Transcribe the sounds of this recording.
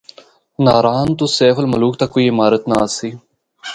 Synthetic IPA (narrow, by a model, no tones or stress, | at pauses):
naːɾaːnt̪oseːfəlmɐluːk̚t̪ɐkːoːiːɪmaːɾət̪nasiː